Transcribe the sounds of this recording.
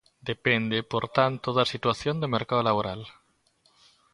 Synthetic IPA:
d̪epend̪epoɾt̪ant̪oðasit̪waθjond̪emeɾkaðolaβ̞oɾal

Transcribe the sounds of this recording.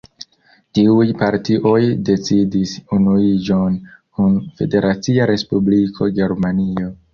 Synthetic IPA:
tiujpaɾtiʔo̞jde̞t͡sidisunuid͡ʒo̞nkunfe̞de̞ɾʔat͡siaɾe̞spublikʰo̞ɡe̞ɾmanio̞

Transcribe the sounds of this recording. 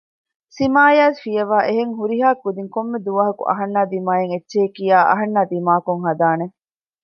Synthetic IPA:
simaːjaːsfijɐʋaːʔeɦeŋɦuɾiɦaːkːud̪iŋkomːed̪uʋɐɦɐkṵʔɐ̰ɦɐnːaːd̪imaːjeŋetːʃeːkijaːʔɐ̰ɦɐnːaːd̪imaːkuŋɦɐd̪aːne

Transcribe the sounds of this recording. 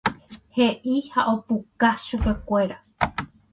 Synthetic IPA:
he̞ʔihaʔo̞pukaʃupe̞kʷe̞ɾa

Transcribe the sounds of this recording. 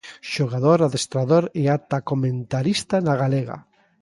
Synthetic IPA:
ʃoɣaðoɾaðest̪ɾaðoɾeat̪akomẽnt̪aɾist̪anaɣ̞aleɣa̰

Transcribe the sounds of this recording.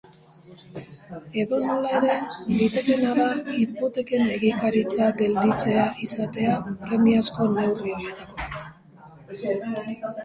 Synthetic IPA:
e̞ðo̞no̞lae̞ɾe̞dit̪e̞ke̞naβaipo̞t̪e̞ke̞ne̞ɣikaɾit͡saɡe̞ld̪it͡se̞aʔisat̪e̞apɾe̞miasko̞ne̞wrioɾiet̪ako̞

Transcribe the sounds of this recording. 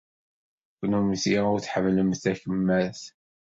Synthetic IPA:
kʷːnumθiʊɾθħəmːləmθæçəmːæθ

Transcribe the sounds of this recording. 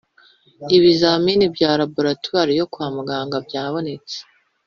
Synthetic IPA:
iβizaminibɟaːɾabuɾatuaɾijo̞kwaːmuɡaːŋɡabjaːβo̞ne̞t͡se̥

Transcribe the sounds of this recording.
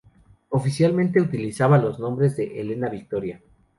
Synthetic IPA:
o̞fisjalmẽnt̪e̞ut̪ilisaβalo̞znombɾe̞zðe̞ʔele̞naβik̚t̪o̞ɾja

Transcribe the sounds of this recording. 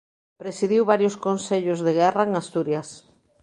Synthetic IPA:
pɾesiðiwβaɾjoskonseʎozðeɣɛraeŋast̪uɾjas

